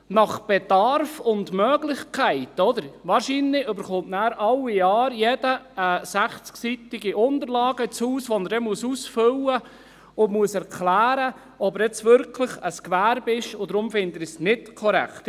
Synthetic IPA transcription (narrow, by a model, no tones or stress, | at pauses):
nɑχb̥edɑɾfʊndmœːɡlɪχkʰæɪtɔd̪əɾʋɑːɾʃinlɪʔʏbəɾχʊntnæːɾɑlːijɑːɾjɛd̥əəsæχt͡sksit̪ɪɡiʔʊnd̪əɾlɑːɡ̥ət͡shuːsʋɔnəɾdɛmuəsusfølə | ʊnmuəsɛɾkʰlæːɾə | ɔbəɾɛt͡sʋʏɾkʰləχəskʋæːɾbɪʃʊd̪ɾʊmfɪnd̪əɾsnɪtkʰɔɾæ̰kt̪